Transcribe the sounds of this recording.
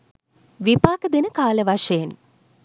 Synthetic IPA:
ʋipaːkəd̪enəkaːləʋaʂəjen

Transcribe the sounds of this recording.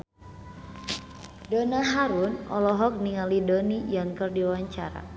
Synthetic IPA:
dɔnaɦaɾunɔ̰lɔɦɔk̚niŋalidɔnijaŋkərdiwaɲt͡ʃaɾa̰

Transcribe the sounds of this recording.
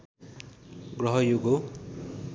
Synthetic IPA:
ɡrʌɦʌjoɡo

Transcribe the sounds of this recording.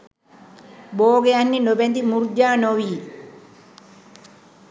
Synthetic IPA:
boːɡeɐnːinɔbent̪imuɾd͡ʒaːnowiː

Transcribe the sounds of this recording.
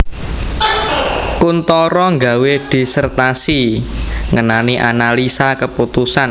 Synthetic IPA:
kunt̪ɔɾɔŋɡawed̥i̤sərt̪asi | ŋənaniʔanalisakəput̪usan

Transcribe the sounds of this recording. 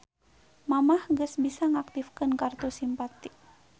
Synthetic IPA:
mamahŋɡəsbisaŋak̚t̪ifkənkart̪usimpat̪i

